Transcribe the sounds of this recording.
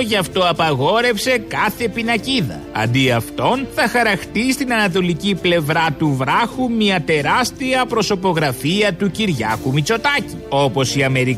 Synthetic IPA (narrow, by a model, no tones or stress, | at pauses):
ʝɐft̪o̞ɐpɐɣo̞ɾe̞fse̞kɐθe̞pinɐciðɐ̰ | ɐ̰nd̪iɐft̪o̞nθɐxɐɾɐxt̪ist̪inɐnɐt̪̬o̞liciple̞vɾɐt̪uvɾɐxumiɐt̪e̞ɾɐst̪iɐpɾo̞so̞po̞ɣɾɐfiɐt̪uciɾʝɐ̰kumit͡so̞t̪ɐcio̞po̞siɐme̞ɾi